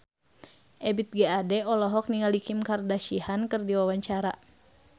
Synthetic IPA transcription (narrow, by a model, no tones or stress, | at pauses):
ʔɛbit̪̚ɡɛadɛɔlɔɦɔk̚niŋalikimkardaʃihankɨrdiwawaɲt͡ʃaɾa